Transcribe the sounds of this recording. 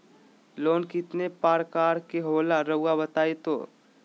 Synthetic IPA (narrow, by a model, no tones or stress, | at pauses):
loːnkɪt̪nepaːɾkaːɾkeɦoːlaɾɐʊabət̪aːet̪o̰ː